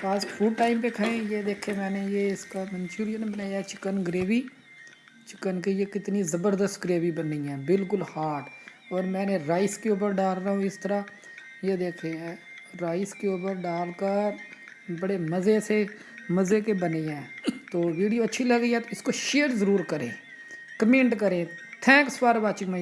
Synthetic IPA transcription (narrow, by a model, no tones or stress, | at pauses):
paːsfʰuːɖʈaːɪmpekʰəẽjed̪eːkʰẽmɛ̃ːnejeɪskamɛ̃nt͡ʃuːɾijənbənaːjaɛt͡ʃɪkənɡəɾeːʋi | t͡ʃɪkənk̬ijekɪt̪nizəbəɾd̪əst̪ɡɾeːʋibəniɛ̃ːbɪlkʊlhaːʈɔːɾmɛ̃ːneɾaːɪskeuːp̬əɾɖaːlɾaɦõɪst̪əɾa | jed̪eːkʰẽːɛ̃ | ɾaːɪskeoːpəɾɖaːlkəɾ | bəɽeməzese | məzeːkebəniɦɛ̃ːt̪oːʋiːɖijoətːʃʰiləɡiːɦɛːt̪oɪskoːʃeːəɾzəɾuːɾkəɾḛ̃ː | kəmẽːɳʈkəɾẽːt̪ʰɛ̃ːkspaːɾbaːt͡ʃɪkmã